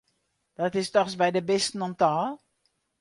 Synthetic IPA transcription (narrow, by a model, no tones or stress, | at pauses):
d̥ɔtɪstɔχsbɛjdəbɛstən̩ɔntaːlˠ